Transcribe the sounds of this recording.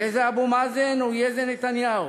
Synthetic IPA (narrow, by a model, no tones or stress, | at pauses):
ezeabumazenujezenet̪anjau